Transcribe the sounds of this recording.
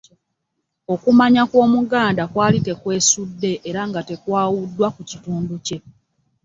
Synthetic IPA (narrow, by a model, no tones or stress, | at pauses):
o̞kumaɲakwo̞ːmuɡaːndakwaːlike̞kwe̞ːsudːe̞ʔːɾaŋɡate̞kwaːwudːwakucituːnduce̞